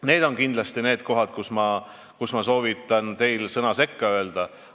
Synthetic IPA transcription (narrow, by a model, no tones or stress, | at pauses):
ne̞ːd̪o̞nkind̪lɑst̪ine̞ːd̪̥̚ko̞ɦɑd̪̥̚kusmɑ | kusmɑso̞ːvit̪ːˑɑnt̪e̞jlsɤnɑse̞kːɑø̞eld̪̥ɑ